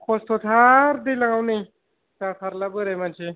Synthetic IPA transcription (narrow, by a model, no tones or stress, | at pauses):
kʰost̪ʰot̪ʰaɾd̪elãŋɡawnaj | tat̪ʰaɾlabəɾamanɕe